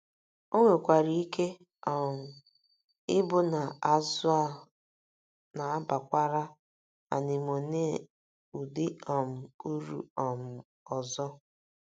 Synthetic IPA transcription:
o˦ŋʷe˨kʷa˨ɾi˦i˦ke˦ | ɔ˨m̩˨ | ɪ˦bʊ˦na˨a˨zʊ˦a˦˨ | na˨a˦ba˨kʷa˦ɾa˦ | a̰˨nɪ˨m˨o˨ne˦˨ | u˨dɪ˦ɔ˨m̩˨u˦ɾu˦ɔ˨m̩˨ | ɔ˨zɔ˦

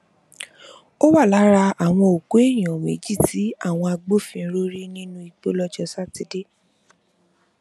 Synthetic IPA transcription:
o˦wa˦˨la˨˦ɾa˧a˨w̃ɔ̃˧o˨ko˨˦e˦˨j̃ɔ̃˨mḛ˨˦d͡ʒi˦˨ti˨˦a˦˨w̃ɔ̃˧a˧ɡ͡bo˦fĩ˧˦ɾo˦ɾi˦nĩ˦nũ˦i˨k͡po˦lɔ˦d͡ʒɔ˧sa˦te˨˧de˦

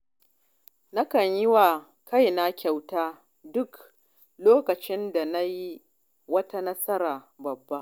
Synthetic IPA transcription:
na˦kɐ˨ɲjɪ˦wa˨ | ka˦jna˦kʲa˨wtaː˦ | dʊ˦k | loː˦kɐ˨t͡ʃɪ˦nda˨na˦ji˦ | wɐ˦ta˦nɐ˦sɐ˦ɾaː˨bɐ˨bːa˦ʔ

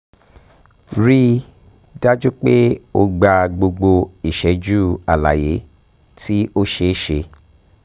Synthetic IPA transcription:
ɾi˦ | da˦d͡ʒu˦k͡pe˦o˧ɡ͡ba˧ɡ͡bo˧ɡ͡bo˧i˨ʃɛ˨˦d͡ʒuː˦a˨la̰˨je˨˦ | tʰi˦o˦ʃe˧˦ʃe˧

